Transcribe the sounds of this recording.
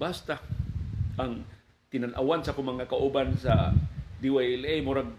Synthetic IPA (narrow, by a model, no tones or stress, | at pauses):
bast̪a | aŋ | t̪ɪnanʔa̰wansakʊmaŋakaʔubansad̪iwajlejmʊɾaɡ̚